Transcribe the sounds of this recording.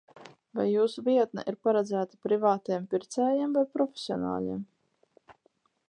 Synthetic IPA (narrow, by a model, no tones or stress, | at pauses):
vajːuːsuviɛt̪̚na̰ʔiɾpaɾad̪zæːt̪ḁpɾivaːt̪iɛmpʲiɾt̪sɛːjiɛmvajpɾɔfʲe̥siɔna̰ːʎʲḭɛm